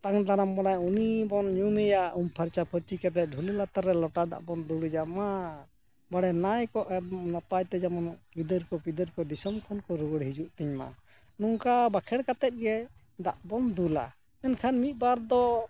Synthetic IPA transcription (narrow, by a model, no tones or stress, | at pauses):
t̪aŋd̪aɾambanajunibɔnɲumɛjaumpʰaɾt͡ʃapʰət͡ʃikɛt̪ɛˀɖʱulɛlat̪aɾːɛlɔʈad̪a̰ʔbɔnd̪uɽid͡ʒama | baɽɛnajkɔʔɛnɔp̪ajt̪ɛd͡ʒamɔnpid̪əɾkɔpid̪əɾkɔd̪isɔmkʰɔnkɔɾuɡəɽɦid͡ʒuʔt̪iɲma̰ | nuŋkabakʰɛɽkat̪ɛt̪̚ɡɛ | d̪aʔbɔnd̪ula̰ | ɛnkʰanmit̪̚ˀbaɾd̪ɔ